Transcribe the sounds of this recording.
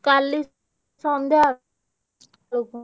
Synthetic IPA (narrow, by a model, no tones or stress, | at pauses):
kalːi | sãnd̪ea | lok